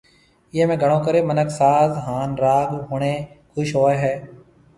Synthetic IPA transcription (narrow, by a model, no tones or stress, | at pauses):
jeːmẽːɡəɽ̃õːkəɾeːmənəksaːzɦaːnɾaːɡɦʊɳ̃eːkʰʊʃɦoːeɦɛː